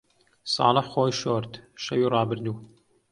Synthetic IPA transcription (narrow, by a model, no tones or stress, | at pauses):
sɑ̰ːləħxoːjʃoːɾt̪ʃɐwiːrˤɑːbɨɾnuː